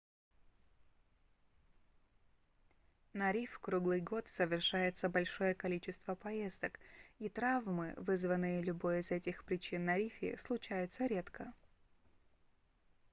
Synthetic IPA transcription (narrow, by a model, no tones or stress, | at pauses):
nɐɾʲifkɾuɡlˠɨjɡo̞t̪səvʲɪrʂajɪt̪səbɐlʲʂo̞jəkɐlʲit͡ɕɪst̪vəpɐjezd̪əkit̪ɾavmɨ̰vɨzvənːɨjəlʲʊbo̞jɪzɛtʲɪxpɾʲɪt͡ɕinːɐɾʲifʲɪ̰slˠʊt͡ɕæjʊt̪səɾʲe̞t̪kʰə